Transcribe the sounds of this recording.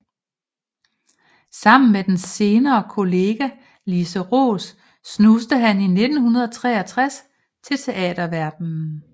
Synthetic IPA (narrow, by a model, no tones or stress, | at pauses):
sɑ̈m̰n̩med̥ense̝ːnɐːkʰo̝le̝ːɡ̥æ | lisəʁo̝̰ːsː | nusd̥əɦænine̝d̥n̩hunɐð̞ˠɒt͡sʰʁɛ̰ːɐt͡sʰʁas | t͡sʰe̝lt͡sʰe̝ʔɛ̰ːd̥ɐʋæɐd̥n̩